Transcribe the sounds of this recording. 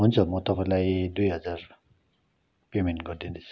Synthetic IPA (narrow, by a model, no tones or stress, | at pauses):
ɦunt͡sʰʌmʌt̪ʌpaĩlajd̪ujɦʌd͡zar | pemenʈɡʌrd̪ind̪et͡sʰu̥